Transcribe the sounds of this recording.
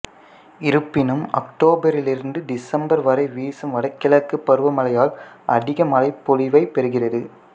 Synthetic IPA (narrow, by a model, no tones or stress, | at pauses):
ɪɾɯpːɪnɯmɐ̰kʈoːbɐɾɪlɪɾɯnd̪ɯɖɪsɐmbɐɾʋɐɾɐɪʋiːsɯmʋɐɽɐɪkːɪlɐkːɯpːɐɾɯʋɐmɐlɐjaːlʔɐɽɪɣɐmɐlɐɪpːɔlɪʋɐɪpːɛɾɯɣɪrɐðɯ